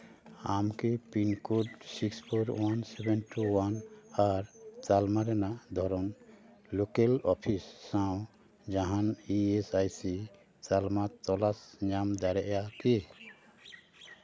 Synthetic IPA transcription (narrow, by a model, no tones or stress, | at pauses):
amkipinkoɖsikspʰɔɾwansɛbɛnʈʰuwanaɾt͡ʃalmaɾɛnaʔd̪ʱɔɾɔn | lokelɔpʰisːãw̃ | d͡ʒaɦaniesajsi | t͡ʃalmat̪ɔlasɲamd̪aɾɛʔjake